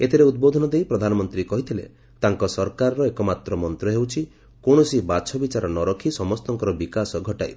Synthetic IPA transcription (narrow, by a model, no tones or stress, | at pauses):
et̪ʰeɾeud̪̚bod̪ʱɔnɔd̪ejpɾɔd̪ʱanɔmɔnt̪ɾikɔɦit̪ʰilḛ | t̪aŋkɔsɔɾkaɾɔɾɔekɔmat̪ɾɔmɔnt̪ɾɔɦewt͡ʃʰi | kõɔsibat͡ʃʰɔbit͡ʃaɾɔnɔɾɔkʰisɔmɔst̪ɔŋkɔɾɔbikasɔɡʱɔʈa̰j